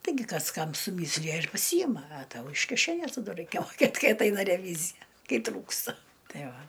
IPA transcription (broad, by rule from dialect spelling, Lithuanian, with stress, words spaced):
tɐɪˈɡʲɪ ˈkɐs ˈkɐm sʊˈmʲiːsʲlʲɪjɛ ɪr pɐˈsʲiːjɪmɐ ɐ ˈtɐʊ ɪʃ kʲɪˈʃʲæːnʲeːs tɐ ˈdʊ ˈrɐɪkʲɛ moːˈkʲeːt ˈkɐɪ ɐtˈɐɪnɐ rʲɛˈʋʲiːzʲɪjɛ ˈkɐɪ ˈtruːkstɐ ˈtɐɪ ˈʋɐ